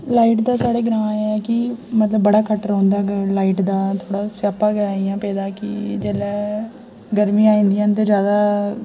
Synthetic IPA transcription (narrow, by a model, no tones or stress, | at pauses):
laːiːʈd̪aːsaːɽeːɡəɾãːɛːkɪmət̪ləbːəɽaːkəʈɾãːnd̪aːlaːiːʈd̪aːt̪ʰoːɽaːsapːaːɡəaːijãːpɛːd̪aːkɪd͡ʒeːlɛː | ɡəɾmĩãːĩːnd̪ijãːnt̪̬eːd͡ʒjaːd̪aː